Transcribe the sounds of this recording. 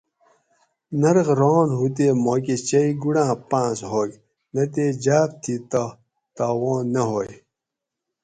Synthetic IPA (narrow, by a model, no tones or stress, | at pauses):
nɐɾɣɾoːnɦut̪̬eːmoːk̬et͡ɕɐiɡuɽãːpãːsɦoːk | nɐt̪̬eːd͡ʑaːp̚t̪ʰit̪ɐ | t̪aːwõːnːɐɦoːj